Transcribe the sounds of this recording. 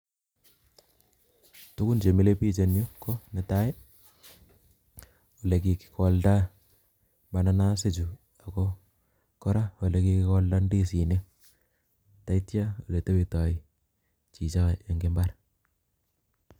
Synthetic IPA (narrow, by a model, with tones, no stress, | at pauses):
tu˦ku˦nt͡ʃe˨mi˦le˦pi˦t͡ʃe˨nju˦ko˦ne˨ta˦e˦ | o˨le˨ki˨ki̥kʰɔ˨lda˦ | mba˨na˦na˦se˦t͡ʃu˨ | a˨ko | kɔ˦ɾa˦wo˨le˦ki˦kikɔ˦lda˦ndi˦si˨ne˦ | ta˨itja˦u˨le˨te˦bi˨tɔ˨i | t͡ʃi˨t͡ʃa˦jɔ˨ŋɡe˦mba˦ɾ